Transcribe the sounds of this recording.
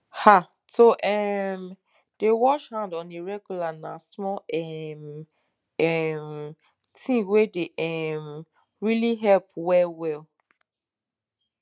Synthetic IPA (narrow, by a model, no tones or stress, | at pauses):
ha | toʔɛm | d̥ewɔʃhãndɔ̃neɹɛɡjulanasmɔɛm | ɛm | tʰĩŋwedeʔɛm | ɹiliɦɛlpwɛlwɛl